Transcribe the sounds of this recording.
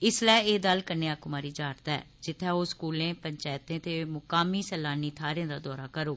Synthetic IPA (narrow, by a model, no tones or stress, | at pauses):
ɪslɛːeːd̪əlkəɾneːaːkʊmaːɾiːd͡ʒaːɾt̪ɛ̰ː | d͡ʒɪt̪ʰːaːoːskuːlẽːpəɲt͡ʃaːt̪ẽːt̪emʊkaːmiːsɛːlaːniːt̪ʰaːɾjãːd̪aːd̪ɔːɾaːkəɾoː